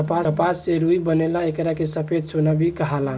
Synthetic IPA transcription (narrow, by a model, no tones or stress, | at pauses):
əpapaseɾuibənelaekɾakesəpʰed̪̚t͡ʃonabʱikəɦala